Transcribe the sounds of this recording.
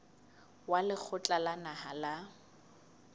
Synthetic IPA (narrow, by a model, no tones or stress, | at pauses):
walɪk͡xʰʊt͡ɬʼalanaɦala